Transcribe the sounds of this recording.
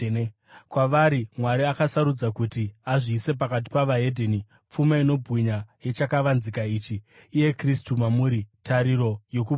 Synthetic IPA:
kwaʋaɾimwaɾiakasaɾud͡zakutiaʐiːse̞p̬akat̬i̥paʋaedʱeni | p͡fumaino̞bʱɣiɲaje̞t͡ʃakaʋanzikaiːt͡ʃiːje̞kristumamuːɾitaɾiɾo̞jo̞ku

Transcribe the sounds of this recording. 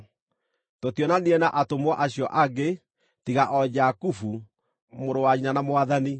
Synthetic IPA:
totjɔnaniɛnaʔatomwɔʔaɕiɔʔaɡe | tiɣaʔɔd͡ʑakufu | moɾowaɲinanamoaðani

